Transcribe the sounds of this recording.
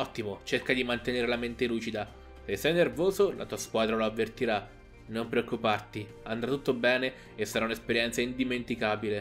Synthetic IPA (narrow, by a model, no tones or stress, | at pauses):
ɔt̪ːimot͡ʃerkad̪imant̪eneːɾelament̪eluːt͡ʃid̪a | sesːɛjnervoːzolʔa̰t̪uːaskwaːd̪ɾaloavːert̪iɾa | nompɾeokːupart̪i | and̪ɾat̪ut̪ːobɛːne | esːaɾaunespeɾjɛnt̪saind̪iment̪ikaːbile